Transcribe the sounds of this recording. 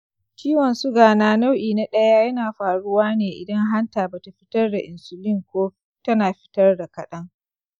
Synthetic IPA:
kʲiː˦wɔ˨nsu˦ɡaː˨naː˦na˦wʔiː˨na˦ɗɐ˦ja˦jɐ˦naː˨ɸaː˨ɽʊ˦waː˦neː˨ʔɪ̰˨dɐ˦ŋɦa˦ntaː˨ba˨ta˨ɸɪ˦tɐ˦rda˨ʔɪ˨nsʊ˨lɪ˦ŋkʷoː˦tɐ˦naː˨ɸɪ̥˦tɐ˦rda˨kɐ˨ɗɐ˦ŋ

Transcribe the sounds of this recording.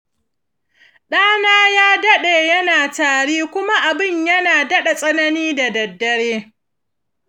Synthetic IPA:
ɗaː˦naː˦jaː˦dɐ˦ɗeː˨jɐ˦naː˨taː˨ɽeː˦kʷʊ˦ma˦ʔa˨bɪ˦˨ɲjɐ˦naː˨dɐ˦ɗa˨sʼɐ˦nɐ˦niː˦da˨dɐ˨dːɐ˦ɽeː˦

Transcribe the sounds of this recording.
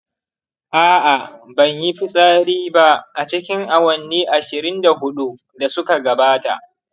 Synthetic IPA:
ʔaː˦ʔa˨bɐ˨ɲji˦ɸi˦sʼaː˦ɽiː˦ba˦ʔʔa˨t͡ʃɪ˦kʲɪ˦ŋʔa˨wɐ˨nːiː˦ʔa˨ʃɪ˨ɾɪ˦nda˨ɦʊ˦ɗu˦ | da˨sʊ˦ka˨ɡɐ˨baː˦ta̰˨ʔ

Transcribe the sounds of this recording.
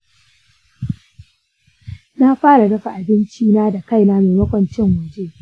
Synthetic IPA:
na˦ɸaː˦ɽa˨ɽɐ˦ɸa˨ʔa˨bɪ˦nt͡ʃiː˦naː˦da˨ka˦˨jnaː˦meː˨mɐ˦kʷɐ˨nt͡ʃɪ˦ŋwɐ˨d͡ʒeː˦˨

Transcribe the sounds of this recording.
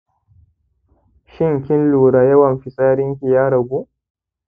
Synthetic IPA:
ʃɪ˦ŋkʲɪ˦nluː˨ɽaː˨jɐ˦wɐ˨mɸɪ˨sʼaː˦ɽɪ˦ŋkʲi˨jaː˦ɽɐ˨ɡʷuː˦ʔ

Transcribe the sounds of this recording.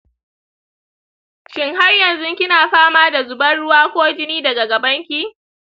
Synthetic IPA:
ʃɪ˦ŋha˦rjɐ˨nzʊ˦ŋkʲɪ˦naː˨ɸaː˦maː˦da˨zʊ˨bɐ˦nɽʊ˦waː˦kʷoː˦d͡ʒɪ˦niː˦dɐ˨ɡa˨ɡa˨bɐ˦ŋkʲiː˦

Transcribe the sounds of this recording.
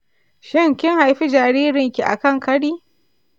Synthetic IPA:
ʃɪ˦˨ŋkʲɪ˦ŋha˨jɸi˦d͡ʒaː˨ɾiː˦ɾɪ˨ŋkʲi˨ʔa̰˨kɐ˦˨ŋkɐ˦ɗiː˦

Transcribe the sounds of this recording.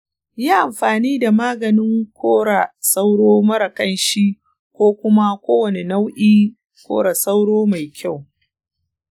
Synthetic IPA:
jaː˦ʔa˨mɸaː˨niː˦da˨maː˦ɡɐ˨nɪ˦ŋkʷoː˦ɽa˨sa˦wɽoː˦mɐ˦ɾɐ˨kɐ˦nʃi˦ | kʷoː˦kʷʊ˦ma˦kʷoː˦wɐ˨ne˨na˦wʔiː˦ | kʷo̰ː˦ɽa˨sa˦wɽoː˦ma˨jkʲa˦˨w

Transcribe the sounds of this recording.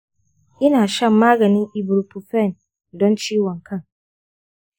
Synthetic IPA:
ʔɪ˦naː˨ʃɐ˦mːaː˦ɡɐ˨nɪ̃˦ŋʔɪ˨bʊ˨ɾu˨pu˨fɛ˦˨n | dɔ˦nt͡ʃiː˦wɔ˨ŋkʰɐ˦ŋ

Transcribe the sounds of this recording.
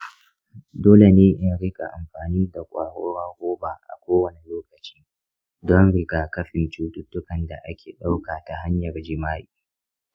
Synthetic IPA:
doː˦le˨neː˦ʔɪ˦ɽɪ˦kʼa̰˨ʔa˨mɸaː˨niː˦da˨kʷʼaː˨ɽo˦waː˦ɡʷoː˦baː˨ʔa̰˨kʷoː˦wɐ˨ni˨loː˦kɐ˨t͡ʃi̥ː˦ | dɔ˦nɽɪ˦ɡaː˨kɐ˦ɸɪ˨nt͡ʃuː˦tʊ˦tːʊ˦kɐ˨nda˨ʔa˦kʲeː˨ɗa˦wkaː˨ta˨ɦa˦ɲjɐ˨rd͡ʒɪ˦maː˦ʔiː˨

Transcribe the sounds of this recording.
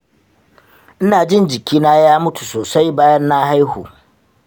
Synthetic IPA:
ʔɪ˦naː˨d͡ʒɪ˦nd͡ʒɪ˨kʲiː˦naː˦jaː˦mʊ˦tu˨soː˨sa˦jbaː˦jɐ˦nːa˦ha˦jhṵː˨

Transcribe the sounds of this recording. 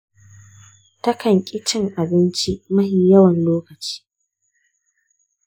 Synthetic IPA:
tɐ˦kɐ˨ŋkʲʼɪ˦t͡ʃɪ˦ŋʔa˨bɪ˦nt͡ʃi˦mɐ˦hi˨jɐ˦wɐ˨nloː˦kɐ˨t͡ʃi̥ː˦

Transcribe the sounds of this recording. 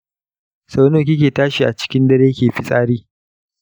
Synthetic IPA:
sa˨˦noː˨kʲɪ˦k̬ʲeː˨taː˦ʃi˨ʔa˨t͡ʃɪ̥˦kʲɪ˦ndɐ˦ɾeː˦kʲeː˨ɸi˦sʼaː˦ɾiː˦

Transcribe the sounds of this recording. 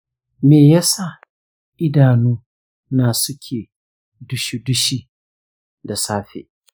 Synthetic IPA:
meː˨ja˦sa˦˨ | ʔɪ˦daː˨nuː˦ | naː˨sʊ˦kʲʰeː˨ | dʊ˦ʃi˦dʊ˦ʃiː˦ | da˨saː˦ɸḛː˨

